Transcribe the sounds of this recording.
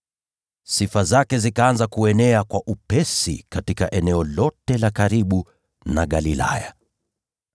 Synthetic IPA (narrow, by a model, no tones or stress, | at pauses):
sifazakɛzikaanzakuɛnɛakwaʔupɛsḭkatikaʔɛnɛɔlɔtɛlakaɾiɓu | naɠalila̰ja